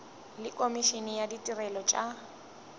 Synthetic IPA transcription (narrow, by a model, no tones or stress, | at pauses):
lɪkʼomiʃinɪjaditʼirɛlɔt͡ʃʼa